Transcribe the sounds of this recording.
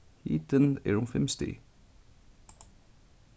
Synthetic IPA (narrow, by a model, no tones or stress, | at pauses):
hḭːt̪ənḛːɹʊmfɛmst̪ɪ̰